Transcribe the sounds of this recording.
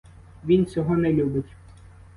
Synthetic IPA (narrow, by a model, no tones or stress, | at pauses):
ʋʲint͡sʲɔɦɔnɛlʲubɪtʲ